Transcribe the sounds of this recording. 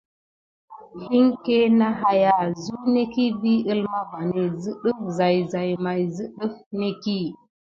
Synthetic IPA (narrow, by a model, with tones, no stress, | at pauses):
hi˦ŋke˦na˦ɦa˦ja˨zu˦ne˦ki˦bi˦ə˦lma˦ba˨ni˨zɨ˦ɗə˦fza˨jza˨jma˨jzɨ˦ɗə˦fne˦ki˦